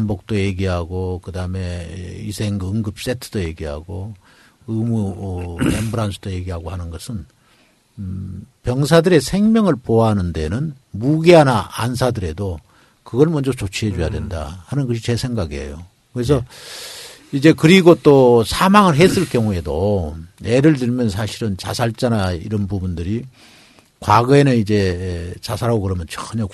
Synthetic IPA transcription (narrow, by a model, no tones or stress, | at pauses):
ambok̚t͈oje̞ɡiɦaɡokɯdame̞isʰe̞ŋɯŋɡɯp̚s͈e̞tʰɯ̥d̥oje̞ɡiɦa̰ɡo | ɯmuʌembɯɾansʰɯd̥oje̞ɡiɦaɡohanɯnɡʌsʰɯn | pjʌŋsʰadɯɾe̞sʰe̞ŋmjʌŋɯɭpoaɦanɯnde̞̰nɯn | muɡiɦanaʔansʰadɯɾe̞do | kɯɡʌɭmwʌnd͡ʑot͡ɕot͡ɕʰiɦed͡ʑojadwe̞̰nda̰hanɯnɡʌɕ̬ʰit͡ɕe̞sʰe̞ŋɡaɡiḛjo̰ | kɯɾe̞s̬ʰʌ | id͡ʑe̞kɯɾiɡot͈osʰamaŋɯɭɦes͈ɯɭkjʌŋue̞do | eɾɯɭtɯɭmjʌnsʰaɕʰiɾɯnt͡ɕa̰sʰaɭt͡ɕ͈anaiɾʌnbubundɯɾi | kwaɡʌenɯnid͡ʑe̞t͡ɕasʰaɾaɡokɯɾʌmjʌnt͡ɕʌxɯɲʌ